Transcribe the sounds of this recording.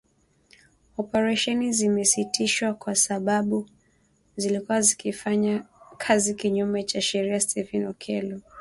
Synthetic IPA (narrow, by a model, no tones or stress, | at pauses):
ɔpɛɾaʃɛnizimɛsitiʃwakwasaɓaɓu | zilikuwazikifaɲakʰazikiɲumɛt͡ʃaʃɛɾiastɛfinɔkʰɛlɔ